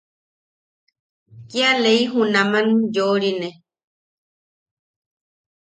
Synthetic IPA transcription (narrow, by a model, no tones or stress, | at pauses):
kialeiɦunãmãnjoɾine